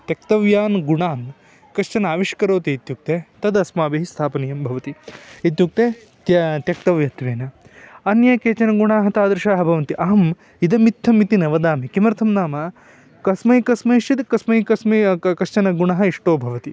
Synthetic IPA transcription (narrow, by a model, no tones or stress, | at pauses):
t̪jɐk̚t̪ɐʋjaːnɡuɳaːn | kɐʃt͡ʃɐnaːʋiʃkɐɾoːt̪eit̪juk̚t̪eːt̪ɐd̪ɐsmaːbiɦist̪ʰaːpɐnɐjɐmbʱɐʋɐt̪iit̪juk̚t̪eː | t̪ɐt̪jɐk̚t̪ɐʋjɐt̪ʋeːnɐ | ɐnjɐkeːt͡ʃɐnɐɡuɳaːɦɐt̪aːd̪ɾuʃaːɦɐbʱɐʋɐnt̪iʔɐɦɐm | id̪ɐmit̪ʰːɐmit̪inɐʋɐd̪aːmikimɐɾt̪ʰɐmnaːmɐ | kɐsmɐjkɐsmɐiʃid̪kɐsmɐjkɐsmɐkɐʃt͡ʃɐnɐɡuɳɐɦɐiʂʈoːbʱɐʋɐt̪i